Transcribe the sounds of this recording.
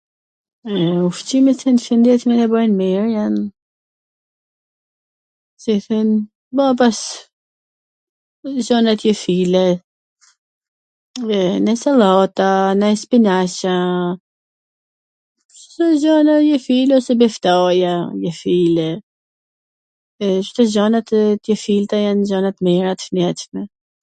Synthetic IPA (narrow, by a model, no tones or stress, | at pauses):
ɛuft͡ɕimiθɛnfind̪ɛθmɛnɛbəjnmiɾjan | siθɛn | bɔp̬as | zɔnat̪jɛfilɛ | ɛnɛsalˠɔt̪anajspinaɕa | st̪ɔzɔnajɛfilɛɔsɛbɛft̪ajajɛfilɛ | t͡ʃt̪ɔzɔnat̪t̪jɛfilt̪ajanzɔnat̪mɛɾat̪ə̥fnɛt̪ʃmɛ